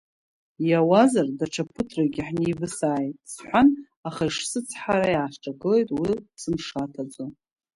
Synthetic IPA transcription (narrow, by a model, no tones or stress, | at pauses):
jawazardaʈ͡ʂʰapʰɨtʰraɡʲiħnibɨsaːjtʼsħʷan | aχaiʂsɨt͡sʰħaɾajaːħʈ͡ʂʼaɡɨle̞jtʼwisɨmʂatʰad͡zʷʼon